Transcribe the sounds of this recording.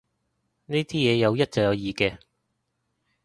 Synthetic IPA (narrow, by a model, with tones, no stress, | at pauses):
niː˥t̪ʰiː˥jɛː˨˧jɐ˨˧wjɐ˥t̚t͡sɐ˨jɐ˨˧wjiː˨kɛː˧